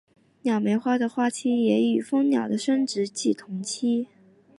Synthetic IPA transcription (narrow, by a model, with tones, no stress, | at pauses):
njɑ˨˩ʊme˧˥ɪxwa˥d̪ə˨xwa˥˩t͡ɕʰi˥jɛ˧˥y˨˩fɤ˥ŋnjɑ̰˨˩ʊd̪ə˦ʂə˥nʈ͡ʂɻ̩˧˥t͡ɕi˥˩t̪ʰʊ˧˥ŋt͡ɕʰi˥